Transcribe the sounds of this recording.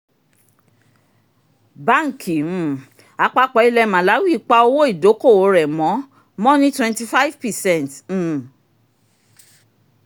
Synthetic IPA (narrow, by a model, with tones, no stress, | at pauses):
ba˦˨ŋ̩˨kʰĩ˨˦˨ | a˧k͡pa˧k͡pɔ˧˦i˧lɛ˧mã˨la˨˦wi˦˨˦k͡pa˧o˧wo˦i˦˨do˨˦ko˦˨o˨˧˦ɾɛ˨mɔ̃˨˦ | mɔ̃˦nĩ˦twɛ̃˧nti˧fa˦i˦vpɛ˨sɛ̃˦˨nt̩ː˦˨